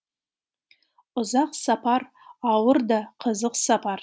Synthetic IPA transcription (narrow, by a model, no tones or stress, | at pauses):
ʊzɑqsɑpɑɾ | ɑwəɾd̪ɑqʰəzəqsɑpɑɾ